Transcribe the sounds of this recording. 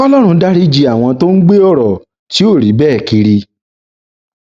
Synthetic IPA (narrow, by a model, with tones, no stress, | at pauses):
ɔ˦lɔ˦ɾ̃ũ˧da˦ɾi˦d͡ʒi˧a˨w̃ɔ̃˧to˦n̩˦ɡ͡be˦ɔ˦˨ɾɔ˨ | ti˨˦o˦˨ɾi˨˦bɛː˦˨ki˧ɾi˧